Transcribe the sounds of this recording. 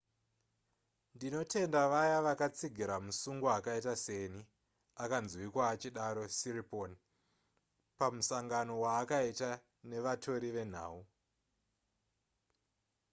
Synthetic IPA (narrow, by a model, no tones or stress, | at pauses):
ndino̞te̞ndaʋajaʋakat͡siɡʱiɾamusuŋɡuakaitase̞ni | akanzwikwaːt͡ʃiɗaɾo̞siriponi | pamusaŋɡano̞waːkaita | ne̞ʋatʰo̞ɾiʋe̞n̤a̰ːu